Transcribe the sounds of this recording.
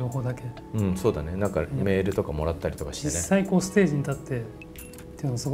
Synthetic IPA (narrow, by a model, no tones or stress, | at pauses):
o̞ːho̞ːd̪ake̞ | ɯ̟̃ɴso̞ːd̪ane̞nãŋkame̞ːɾɯ̟t̪o̞kamo̞ɾat̪ːaɾit̪okḁɕi̥d͡ʑinesːaiko̞ːsɨ̥t̪e̞ːʑiɲ̟it̪at̪ːe̞ | t̪ːejɯ̟nasɨɡ